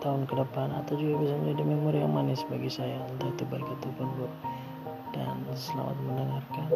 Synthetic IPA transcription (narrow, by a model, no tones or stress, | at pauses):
t̪aʊnkədəpana̰t̪awd͡ʒuɡabisaməɲd͡ʒadiməmuɾija̰ŋmanɪsbaɡisajant̪at̪ubalkat̪upɔnbʊr | d̥a̰nsəla̰ma̰t̪̚məndəŋarkan